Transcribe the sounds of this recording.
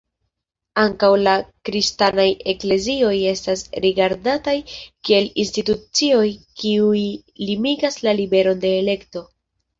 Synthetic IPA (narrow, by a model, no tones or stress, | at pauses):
aŋkawlakɾistanaje̞kle̞zio̞je̞stasɾiɡaɾdatajkie̞linstitut͡sio̞jkiui | limiɡaslalibe̞ɾo̞nde̞ːle̞kto̞